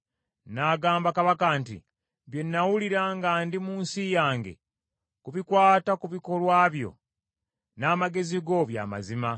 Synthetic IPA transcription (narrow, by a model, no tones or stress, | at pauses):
naɡaːmbakaβakantḭ | βje̞nːawuliɾaːŋɡaːndimuːnsijaːŋɡe̞̰ | kuβikwaːtakuβiko̞lwaːβjo̞̰ | naːmaɡe̞ziɡo̞βja̰ːma̰zima